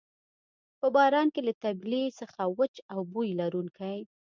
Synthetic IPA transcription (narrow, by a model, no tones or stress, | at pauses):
pəbɑɾɑnkelat̪ablisəxawət͡ʃawbujlaɾunkʰaj